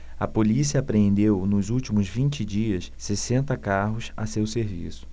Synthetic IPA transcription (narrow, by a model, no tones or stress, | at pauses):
ɐpolisiɐaːpɾeẽnd̪ewnʊzuwt͡ʃimʊzvĩnt͡ʃɪd͡ʒiɐssesẽnt̪ɐkaɦʊsa̰sewseɾvḭsʊ̥